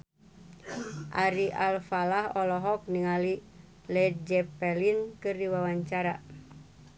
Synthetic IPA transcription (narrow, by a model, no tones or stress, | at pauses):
ʔaɾiʔalfalahɔlɔɦɔk̚niŋali | lɛd͡ʒɛpɛlinkɨrdiwawaɲt͡ʃaɾa